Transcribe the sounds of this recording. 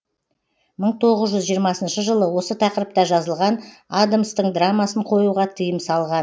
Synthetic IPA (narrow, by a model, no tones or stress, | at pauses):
məɴt̪ʰo̞ʁəzʒʏzʒijəɾmɑsənʃəʒəlˠəwo̞sət̪ʰɑqəɾəp̚t̪ɑʒɑzəlˠʁɑnad̪amst̪əɴd̪ramːɑsəɴqʰo̞juʁɑt̪ʰəjəmsɑlˠʁɑn